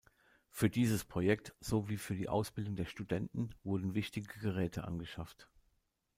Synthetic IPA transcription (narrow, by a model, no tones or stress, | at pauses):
fyːɐdiːzəspʁ̥ojɛk̚tz̥oːviːfyːɐdiːʔa̰ʊsb̥ɪldʊŋdeːɐʃtudɛntn̩vʊɐdn̩vɪçtɪɡəɡəʁɛːtʰəʔa̰nɡəʃaft